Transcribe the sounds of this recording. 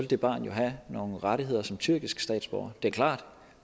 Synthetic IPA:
ld̥e̝b̥ɑ̰̈ːnjo̝ɦæno̝ːn̩ʁɑɾiɦe̝ð̞̰ˠɐsɒ̽mt͡sʰyɐɡ̥isɡ̥sd̥ɛ̰ːd̥sb̥ɒʊɐd̥e̝æɐkʰlɑ̰̈ːd̥

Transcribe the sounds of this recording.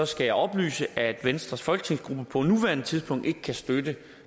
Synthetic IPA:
ɒ̽sɡ̥æjɑ̈ɪɒ̽b̥ly̰ːsəʔæd̥ʋensd̥ʁɐsfɒlɡ̥ə̥t͡sʰe̝ŋ̰sɡ̥ʁub̥əpʰɒ̽nuʋæɐnət͡sʰið̞ˠsb̥ʰɔ̽ŋ̰d̥e̝ɡ̥ə̥kʰæsd̥ødə

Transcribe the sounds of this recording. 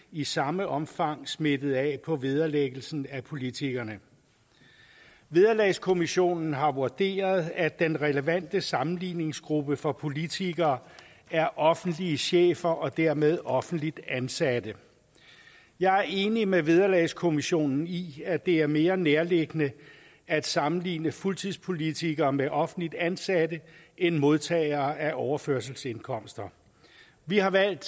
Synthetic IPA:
isɑ̈məʔɒ̽mfɑ̈ŋ̰sme̝d̥ð̞̩ˠɛpʰɒ̽ʋið̞ˠɐleɡ̥l̩sn̩æpʰo̝lit͡sʰiɡ̥ɐnə | ʋe̝ð̞ˠɐlɛskʰo̝miɕo̝̰ːnn̩ɦɑ̈ʋuɐd̥e̝̰ːɐð̩ˠæd̥enʁɛləʋæn̰d̥əsɑ̈mn̩lḭːne̝ŋsɡ̥ʁub̥əfɒ̽pʰo̝lit͡sʰiɡ̥ɐː | æɐʔɒ̽fn̩d̥liəɕḛːfɐʔɒ̽d̥æɐ̰með̞ˠɒ̽fn̩d̥lid̥ænsæd̥ə | jɑ̈ɪæɐe̝ːnimeʋið̞ˠɐlɛ̰ːskʰo̝miɕo̝̰ːnn̩iæd̥e̝æɐme̝ːɐneɐle̝ɡ̥ənə | æd̥sɑ̈mn̩lḭːnəfult͡sʰiðˠspʰo̝lit͡sʰiɡ̥ɐːmeʔɒ̽fn̩̥lid̥ænsædəʔenmo̝ð̞ˠt͡sʰɛ̰ːɪɐːæʔɒʊɐføɐsl̩se̝nkʰɒ̽m̰sd̥ɐ | ʋihɑ̈ʋæl̰d̥

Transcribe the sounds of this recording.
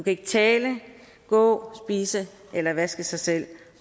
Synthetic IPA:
ukʰæe̝ɡ̥ət͡sʰɛːlə | ɡ̥ɔ̰̽ːsb̥iːsə | ʔelɐʋæsɡ̥əsɑ̈ɪsel̰

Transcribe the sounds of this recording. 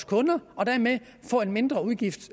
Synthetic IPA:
skʰɔ̽nɐɒ̽d̥æɐme | fɒ̰̽ːe̝nme̝nd̥ʁɐuðˠɡ̥ifd̥

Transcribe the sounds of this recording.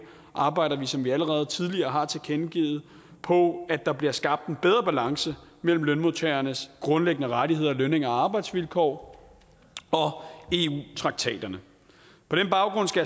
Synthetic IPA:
ʔɑ̈ːb̥ɑ̈ɪɾɐʋisɒ̽mʋiæləʁɛːð̞̩ˠt͡sʰið̞ˠliɐːɦɑ̈t͡sʰe̝kʰenɡ̥ḭːð̩ˠ | pʰɒ̽æd̥ɑ̈b̥liɐsɡ̥ɑ̈b̥̚d̥enb̥eð̞ˠʁɐb̥ælɑ̈ŋsəmel̰m̩lønmot͡sʰɛɐnəsɡ̥ʁɔ̽nleɡ̥ənəʁaɾiɦe̝ð̞̰ˠɐløne̝ŋɐæɑ̈ːb̥ɑ̈ɪd̥sʋilkʰɒ̰ː | ɒ̽e̝ṵːt͡sʰʁɑ̈ɡ̥̚t͡sʰɛ̰ːd̥ɐnə | pʰɒ̽ɾ̥enb̥ɑ̈ʊɡ̥ʁɔ̽n̰sɡ̥æ

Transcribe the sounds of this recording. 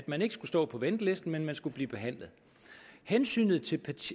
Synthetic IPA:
æd̥mæne̝ɡ̥ə̥sɡ̥usd̥ɔ̰ːpʰɒ̽ʋend̥əle̝sd̥n̩menmænsɡ̥ub̥liːb̥e̝ɦæn̰lð̩ˠ | hensy̰ːnð̞̩ˠt͡sʰe̝lpʰæt͡sʰ

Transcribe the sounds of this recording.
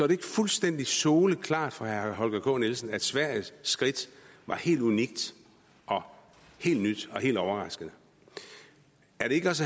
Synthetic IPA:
sɒɾe̝e̝ɡ̥əfulsd̥en̰d̥isoːləkʰlɑ̰̈ːd̥fɒ̽hæɐɦɒ̽lɡ̥ækʰɔ̰̽ːnelsən̩æd̥sʋæɐ̰jːɡ̥ʁid̥ʋɑ̈he̝̰ːld̥uniɡ̥̚d̥ | ʔɒ̽ | he̝̰ːld̥nyd̥ɒ̽he̝̰ːld̥ɒʊɐʁɑ̈sɡ̥ənə | æɐɾ̥e̝e̝ɡəɒs

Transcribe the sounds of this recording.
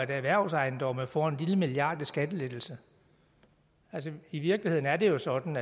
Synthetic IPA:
edæʋæɐ̰sɑ̈ɪnd̥ɒ̽məfɒe̝nliləmiljɑ̰̈ːd̥isɡ̥æd̥əled̥l̩sə | æls̬əiʋiɐɡ̥lihe̝ð̰ˠn̩æɐd̥e̝jo̝sɒ̽d̥n̩æ

